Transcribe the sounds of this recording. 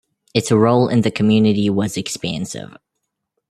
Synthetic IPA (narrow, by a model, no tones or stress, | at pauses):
ɨtsəɹoʊlˠɪ̃nðɨkʰmjʉnɨɾiwʌzɨkspæ̃nsɪ̰v̥